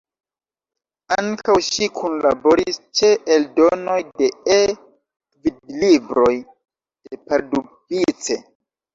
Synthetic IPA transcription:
aŋkawʃikʰunlabo̞ɾist͡ʃeʔeldo̞no̞jde̞e | vidlibɾo̞j | d̥e̞paɾdupit͡se̞

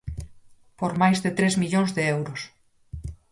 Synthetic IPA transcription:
poɾmajzðet̪ɾezmiʎõŋzðeewɾos

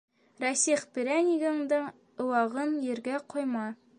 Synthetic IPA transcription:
ɾæsiχpiɾæniɡɤ̆ɴd̪ɤɴ | ɤ̆wɑʁɤnjɘ̆ɾɡæqŏjmɑ

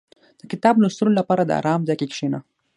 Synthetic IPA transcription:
d̪̥əkɪt̪ɑblost̪unolapɑɾad̪ə̰a̰ɾɑmzajkekʂena

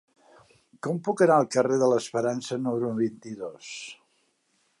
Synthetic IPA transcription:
kɔmpukənaəlˠkəreðələspəɾansənuməɾuβint̪iðos

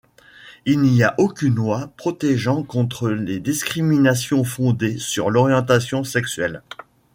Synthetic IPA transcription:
ilniaʔokʲynlwapχɔt̪ɛʒɑ̃kɔ̃t̪χəled̪iskχiminasjɔ̃fɔ̃d̪esyʁlɔʁjɑ̃t̪̬asjɔ̃sɛksɥɛ̰l

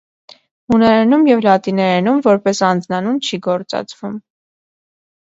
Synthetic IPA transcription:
hunɛɾɛnumjɛvlɑt̪inɛɾɛnumvɔɾpɛsɑnd͡znɑnunt͡ʃʰiɡɔɾt͡sɑ̰t͡svum

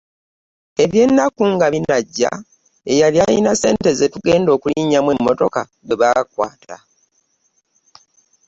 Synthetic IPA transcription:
e̞βje̞nːakuŋɡaβinaɟːa̰ | e̞jaljajḭnase̞̰ːnte̞ze̞tuɡe̞ːndo̞ːkuliɲamwe̞mːo̞to̞ka | ɡweβakwaːtʰa

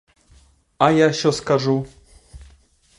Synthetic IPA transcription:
ajaɕɛɔskaʐu

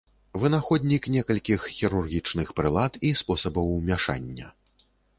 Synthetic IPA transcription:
vɨnaxɔd̪ʲnʲiknʲɛkɐlʲkʲixːʲiɾurɣʲit͡ʂnɨxpɾɨlˠat̪ispɔsɐbɐwmʲaʂa̰nʲːɐ̰

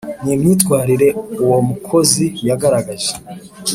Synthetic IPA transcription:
niːmɲiːtɡwaːɾiɾe̞uwo̞mukʰo̞zijaɡaɾaɡaʒe

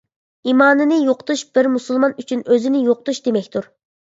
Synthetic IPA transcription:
imɑːnɨnɨjoqt̪uʃb̥ɪɾmusulˠmɑnyt͡ʃʰynøzɪnɪjoq̚t̪uʃd̪emɛkʲt̪ʰuɾ

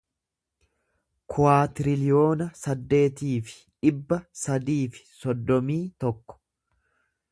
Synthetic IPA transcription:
kʰʊwaːt̪ɪɾɪlɪjo̞ːnɐsɐd̪ːe̞ːt̪iːfɪ̥ | ᶑɪbːɐsɐd̪iːfɪ̥sɔd̪ːɔmiːt̪ɔkːɔ̥

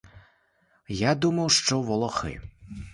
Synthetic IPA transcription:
jad̪umɐwʂt͡ʂɔvɔlˠɔxɨ̰

